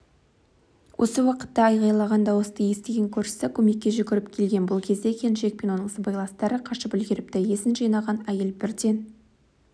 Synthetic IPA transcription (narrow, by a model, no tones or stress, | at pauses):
wʔo̰səwɑqə̥t̪ːɑːjʁɑjlˠɑʁɑnd̪ɑwəst̪ɑje̞st̪e̞ɡʲe̞ŋkʲʰɵɾʃɪ̥sɪkʲʰɵme̞kʲːe̞ʒʏkʲɪɾɪp̚kʲʰe̞lɡʲe̞nbʊlˠkʲʰe̞zd̪e̞kʲʰe̞nʒe̞k̚peno̞nəɴsəbɑjlˠɑst̪ɑɾəqʰɑʃəpʏlɡʲeɾɪp̚t̪æje̞sɪnʒɑjnɑʁɑnæje̞lbɪɾd̪e̞n